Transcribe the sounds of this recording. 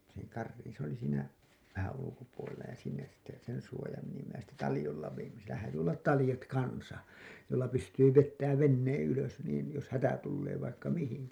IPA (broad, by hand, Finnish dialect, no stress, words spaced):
sinːek kɑrːiːn s oli siːnæ ʋæhæn ulukopuolelːɑ jɑ sinːes sitːe sen suojɑːm menimːæ jæ sitːe tɑlĭjolːɑ ʋejimːæ sielæ hæːty olːɑt tɑlĭjɑt kɑnsɑ joilːɑ pystyː ʋetːæːʋ ʋenːeːẽ yløs niːn jos hætæ tulːeː ʋɑikːɑ mihiŋkæ